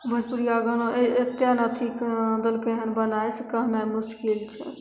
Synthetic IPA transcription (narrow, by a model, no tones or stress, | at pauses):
bʱəd͡ʒpuɾijaɡənoet̪ːjanat̪ʰikd̪əlkeɦənbənajsekəɦnajmʊskilt͡ʃʰɛ̰